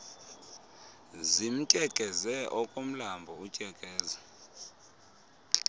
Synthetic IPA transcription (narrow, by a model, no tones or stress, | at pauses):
zim̩tʼɛkʼɛzɛʔɔkʼom̩lambʱɔucʼɛkʼɛːza